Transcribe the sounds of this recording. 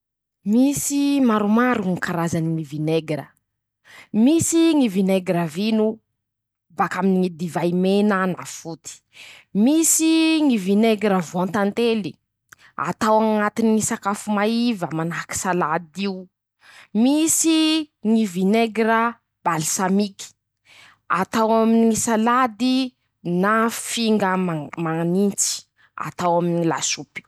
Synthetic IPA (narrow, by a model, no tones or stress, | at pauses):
misimaɾumaɾuŋikaɾazaniŋivineɡɾə̰ | misiŋivineɡɾavinu | bakaminiŋid̪ivajmenana̰fut̪i̥misiŋivineɡɾəvuãnt̪ant̪eli | a̰t̪awaŋat̪iniŋisakafumaivəmanaki̥salad̪iu | misiŋivineɡɾa | b̥alisamiki̥ | at̪awaminiŋisalad̪i | nafiŋɡəmamanint͡si̥ | a̰t̪awaminila̰supi̥